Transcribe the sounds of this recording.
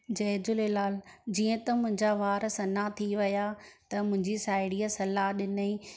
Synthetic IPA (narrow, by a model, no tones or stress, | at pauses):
d͡ʑɛːd͡ʑʊlɪlaːld͡ʑiːə̃t̪ɐmʊ̃ɦɪ̃ɲd͡ʑaʋaːɾsɐnat̪ʰiʋɐjat̪ɐmʊ̃ɦɪ̃ɲd͡ʑisaːɪɽijasɐlaɗɪnəiː